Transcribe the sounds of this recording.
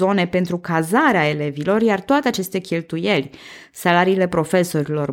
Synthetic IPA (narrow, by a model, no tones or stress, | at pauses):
o̞ne̞pe̞nt̪ɾukazaɾeae̞le̞vilo̞rjart̪oat̪e̞at͡ʃe̞st̪ekʲe̞lt̪uje̞lʲ | salaɾiːle̞pɾo̞fe̞so̞ɾilo̞r